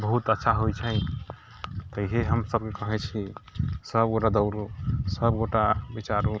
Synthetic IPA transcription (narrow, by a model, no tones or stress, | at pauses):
bəɦut̪ətːʃʰaɦojt͡ʃʰəj | t̪əiɦeɦəmsəb̚kekəɦɛt͡ʃʰisəbɡoʈad̪əʊɾusəbɡoʈabit͡ʃaɾu